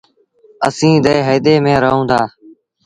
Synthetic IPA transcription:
əsĩːd̪əːɦəːd̪eːmẽːɾəɦõːd̪aː

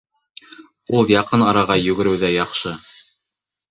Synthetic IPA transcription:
ulˠjɑqɤnɑɾɑʁɑjɵ̆ɡɘ̆ɾɘ̆wðæjɑqʃɤ

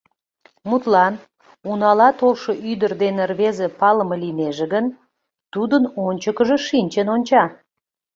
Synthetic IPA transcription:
mut̪lɑn | unɑlɑt̪olʃoʔyd̪ərd̪enerβezepɑləməlineʒĕɣən | t̪ud̪ənonʲt͡ɕəkəʒeʃinʲt͡ɕənonʲt͡ɕɑ

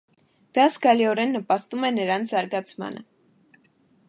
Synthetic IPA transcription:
d̪̥ɑsɡɑliɔɾɛnːəpɑst̪umɛnəɾɑnzɑɾɡɑt͡sʰmɑ̰nə̰

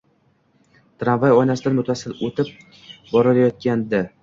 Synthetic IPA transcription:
t̪ɾanvajɒjnasɪd̪anmʊt̪ʰasɪlot̪ʰɪp̚ | bɒɾɪlajɒt̪̚kʲand̪ɪ

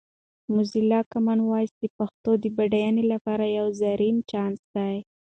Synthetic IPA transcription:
mʊzilɑkamɑnwɑjsd̪əpaxt̪od̪əbaɖajanelapɑɾajawzaɾimt͡ʃɑnsd̪̥aj

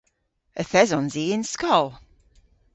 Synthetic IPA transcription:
əθɛzɔ̃nziɪ̃nskɔlˠ

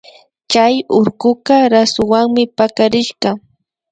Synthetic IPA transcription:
t͡ʃajʊɾkʊqaɾasʊwaŋmɪpakaɾɪʃɢɑ

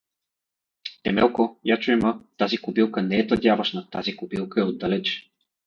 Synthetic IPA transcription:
t̪ɛmɛlˠkojat͡ʃoɛmət̪azikubilˠkənɛɛt̪ɐd̪ʲjavɐʃnɐt̪azikubilˠkəɛod̪ːalɛt͡ʃ

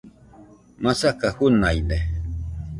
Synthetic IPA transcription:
masakahunajne

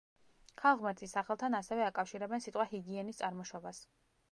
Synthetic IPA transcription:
kʰalˠʁmɛɾt̪ʰisːaχɛlˠt̪ʰanasɛvɛakʼafʃiɾɛbɛnsit̪ʼqʼwahiɡiɛnist̪sʼaɾmɔʃɔbas

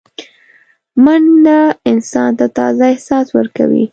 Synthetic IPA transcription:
manlaɪnsɑnt̪at̪ɑzaɪhsɑswəɾka̰wḭ

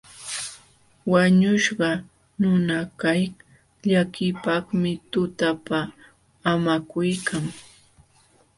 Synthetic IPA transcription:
waɲʊʃɢɑ | nʊnakaj | ʎakɪpɑχmɪt̪ʊt̪apaː | makʊjkʰaŋ

